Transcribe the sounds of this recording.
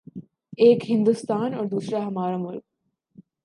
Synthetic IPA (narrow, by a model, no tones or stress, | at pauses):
ekɦind̪ust̪aːnoːɾd̪usɾaɦɐmaːɾomuɾk̚